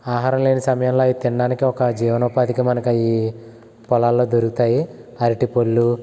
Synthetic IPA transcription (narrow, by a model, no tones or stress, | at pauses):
aːɦaːɾɐmleːnisɐmɐjɐmlo̞ːiːt̪iɳɖaːnikiɔkɐd͡ʒiːʋɐnoːpaːd̪ikimɐnɐkɐiː | pɔlaːlːo̞ːd̪oɾukut̪aːjiɐɾiʈipolːu